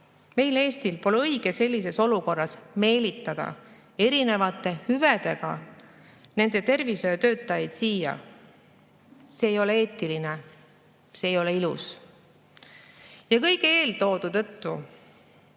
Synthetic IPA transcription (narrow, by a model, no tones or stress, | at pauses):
me̞jle̞ːst̪ilpo̞leɤjɡ̥e̞se̞lʲːis̬e̞so̞luko̞rːɑsme̞ːlit̪ːˑɑd̪̥ɑ̰ | e̞ɾine̞vɑt̪ːˑe̞hyved̪̥e̞ɡ̥ɑ | ne̞nd̪̥e̞t̪e̞rvisøjet̪ø̞ːt̪ːˑɑjɑjd̪̥siːjɑ̰ | se̞ːjo̞lee̞ːt̪ːˑiline | se̞ːjo̞leilus | jɑkɤjkeeːlt̪o̞ːd̪̥ut̪ɤ̞t̪ːu